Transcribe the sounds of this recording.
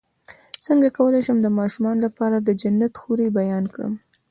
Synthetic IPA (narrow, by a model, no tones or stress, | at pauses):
səŋɡakawəlajʃəmd̪əmɑʃumɑnlapɑɾad̪əd͡ʒanːat̪xuɾebajɑnkɽə̰m